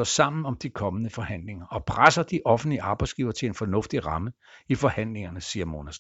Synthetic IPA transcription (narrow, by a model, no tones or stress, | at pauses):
ɔsɑ̈m̰n̩ɒ̽md̥ikʰɒ̽mənəfɒ̽hæn̰le̝ŋɐʔɒ̽pʰʁasɐd̥iʔɒ̽fn̩liəɑ̈ːb̥ɑ̈ɪsɡ̥iːʊɐt͡sʰe̝e̝nfɒ̽nɔ̽fd̥iʁɑ̈mə | ifɒ̽hæn̰le̝ŋɐnəsiːɐmo̝næs